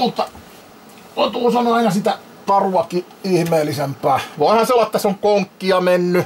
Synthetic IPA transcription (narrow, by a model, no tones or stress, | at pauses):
mut̪ːɑ | kot̪uːsɑnoɑinɑsit̪æ | t̪ɑruɑki | ihmeːlːisempˑæːʋoˑihɑnseolːɑet̪ːæseoŋkoŋkːiɑmenːy